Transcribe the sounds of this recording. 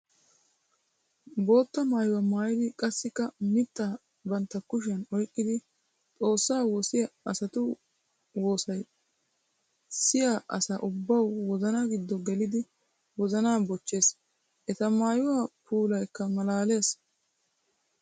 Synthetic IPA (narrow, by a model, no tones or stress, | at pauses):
bo̞ːt̪ːɐmaːjʊwɐmaːjɪd̪ɪkʼɐsːɪkːɐmɪt̪ːaː | bɐnt̪ːɐkʊʃ̬ɐnɔjkʼːɪd̪ɪ | t̪ʼo̞ːsːaːwoːsɪjɐɐsɐt̪ʊ | wo̞ːsɐj | sɪjaʔɐsaːʔʊbːɐwwɔzɐnaɡɪd̪ːɔɡɛlɪd̪ɪ | wɔzɐnaːbɔt͡ʃːe̞ːs | ʔɛt̪ɐmaːjʊwapuːlɐjkːɐmɐlaːle̞ːs